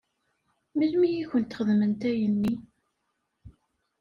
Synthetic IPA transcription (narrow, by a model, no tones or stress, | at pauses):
milmijiçənt̪χəðmənt̪æjənːi